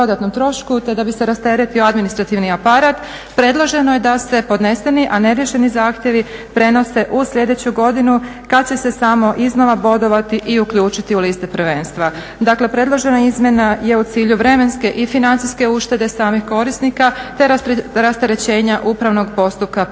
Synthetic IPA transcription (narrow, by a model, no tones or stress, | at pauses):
od̪at̪no̞mt̪ɾo̞ʃkut̪e̞d̪abise̞ɾast̪eɾet̪ioad̪minist̪ɾat̪iʋniapaɾat̪ | pɾe̞d̪lˠo̞ʒe̞noje̞d̪ase̞po̞d̪ne̞se̞niʔane̞ɾje̞ʃe̞nizaːxt̪je̞ʋipɾe̞no̞se̞ʔusʎe̞d̪e̞t͡ɕuɡo̞d̪inukat͡ɕe̞se̞samo̞ʔizno̞ʋabo̞d̪o̞ʋat̪iʔiukʎuːt͡ʃit̪iulist̪epɾ̩ʋe̞ːnst̪ʋa | d̪akle̞pɾe̞d̪lˠo̞ʒe̞naizmje̞naje̞ut̪siːʎuʋɾe̞me̞nske̞ʔifinant̪ijske̞uʃt̪e̞d̪e̞saːmixko̞ɾisnikat̪e̞ɾɾast̪eɾe̞t͡ɕe̞ːɲaʔupɾaʋno̞ɡpo̞st̪up̚ka